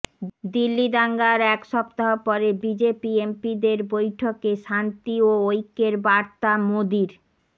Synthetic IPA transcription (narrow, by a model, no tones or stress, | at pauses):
d̪ilːid̪aŋɡaɾɛkʃɔp̚t̪aɦopɔɾebid͡ʑepiempid̪eɾbojʈʰokeʃant̪ioojkːeɾbaɾt̪amod̪iɾ